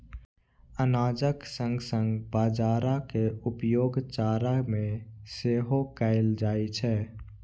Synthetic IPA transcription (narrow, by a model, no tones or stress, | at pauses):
ənaːd͡ʒəksə̃ŋɡsə̃ŋɡbaːd͡ʒaːɾakeʊpjoːɡt͡ʃaːɾamẽseːɦokaɪld͡ʒaːit͡ʃʰɛ